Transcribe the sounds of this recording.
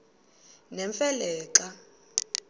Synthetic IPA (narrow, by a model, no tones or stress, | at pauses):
nɛɱfɛlɛːǃa